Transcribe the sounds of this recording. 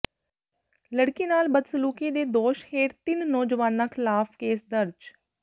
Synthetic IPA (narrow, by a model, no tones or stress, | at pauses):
ləɽkiːnaːlbəd̪səluːkeːd̪eːd̪oːʃheːɾt̪ɪnːɔːd͡ʒʋaːnãːkʰɪlaːpʰkeːsd̪əɾd͡ʒ